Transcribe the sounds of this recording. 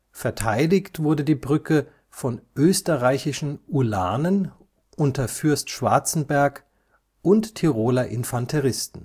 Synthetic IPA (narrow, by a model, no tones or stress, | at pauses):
fɛɐtʰaɪlɪçtv̥ʊɐdədiːbʁʏkʰə | fɔnʔøːstəʁaɪçɪʃn̩ula̰ːnən | ʔʊntɐfʏɐstʃv̥a̰ɐt͡sn̩bɛɐk | ʔʊnttʰːiʁoːlaʔɪnfantʰɛʁɪstn̩